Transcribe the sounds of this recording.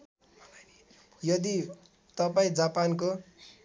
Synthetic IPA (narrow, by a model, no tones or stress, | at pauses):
jʌd̪i | t̪ʌpaĩd͡zapanko